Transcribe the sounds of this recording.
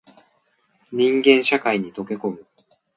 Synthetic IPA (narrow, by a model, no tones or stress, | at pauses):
ɲ̟ĩŋɡẽ̞ɰ̃ɕakaiɲ̟it̪o̞ke̞ko̞mɯ̟